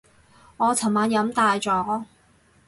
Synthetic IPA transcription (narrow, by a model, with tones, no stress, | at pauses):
ŋɔː˨˧t͡sʰɐ˨˩maː˨˧njɐ˨˥mt̪aː˧jt͡sɔː˨˥